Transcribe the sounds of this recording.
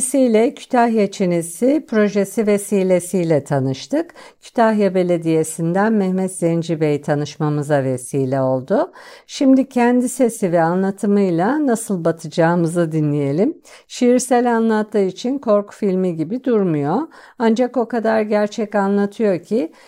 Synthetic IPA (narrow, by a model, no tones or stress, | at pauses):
sijlʲɛcʰy̥t̪ʰahjet͡ʃʰenisipʰɾo̞ʒesive̞siːlʲe̞sijlʲɛt̪ʰanɯʃt̪ʰɯk | cʰy̥t̪ʰahjabe̞lʲe̞d̪ije̞sind̪ænmɛhmɛt̪z̥end͡ʒibejit̪ʰanɯʃmamɯzavesiːlʲɛo̞lˠd̪ʊʃimd̪icʰɛnd̪ise̞sivɛanlˠat̪ʰɯmɯjlˠanasɯlˠbat̪ʰɯd͡ʒaːɯmɯzɯd̪inlʲije̞lʲim | ʃiɾsælʲanlˠat̪lˠɯit͡ʃʰinkʰo̞ɾku̥filʲmiɟibid̪uɾmujo̞ | and͡ʒako̞kad̪aɾɟæɾt͡ʃʰɛcanlˠat̪ʰɯjo̞cʰi